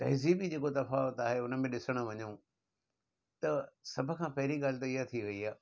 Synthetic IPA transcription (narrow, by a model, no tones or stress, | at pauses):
t̪ɐɦziːbid͡ʑeːkot̪ɐfaːʋət̪aːɦeʊnə̆mẽɗɪsəɽ̃ə̆ʋɐɲõ | t̪ɐsɐbʱʊ̆kʰãːpɐɦɪɾiɠaːlɪt̪̬oijat̪ʰiʋɐiaː